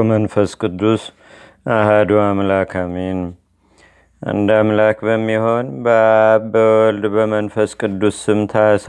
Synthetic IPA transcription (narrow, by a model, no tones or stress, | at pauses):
mənfəskʼɨd̪ːus | ahad̪uamlakʰamin | ʔa̰nd̪amlakbəmːiho̞nbbəwɔld̪bəmənfəskʼɨd̪ːusːɨmt̪ʰas